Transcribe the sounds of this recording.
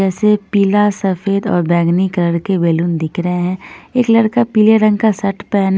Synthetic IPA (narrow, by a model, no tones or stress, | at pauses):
ɛːsepiːlasɐfeːd̪ɔ̰ːɾbɛːɡnikləɽkebeːlund̪ɪkʰɾəɦeɦɛ̃ːeːklɐɾkapiːleɾə̃ŋɡkasɐʈʰpɛːn